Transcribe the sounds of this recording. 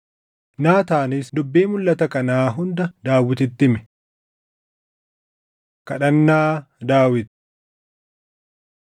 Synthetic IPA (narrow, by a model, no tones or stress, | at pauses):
naːt̪aːnɪsd̪ʊbːeːmʊlːɐt̪ɐkɐnaːɦʊnd̪ɐd̪aːwɪt̪̬ɪt̪ːɪmɛ̥ | kɐᶑɐnːaː | d̪aːwɪt̪̚